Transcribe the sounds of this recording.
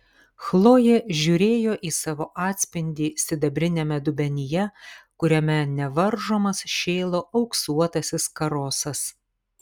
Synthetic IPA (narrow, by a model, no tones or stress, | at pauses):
xlˠoːjeːʒʲuːɾʲeːjoːʔiːsɑːʋoːʔɑːt̪ʲsʲpʲɪnʲd̪ʲiːsʲɪd̪ɐbʲɾʲɪnʲɛmʲɛd̪ʊbʲɛnʲɪjɛkʊɾʲɛmʲɛnʲɛʋɐɾʒoːmɐsʃʲeːlˠoːʔɐʊksuɔt̪ɐsʲɪskɐɾoːsɐs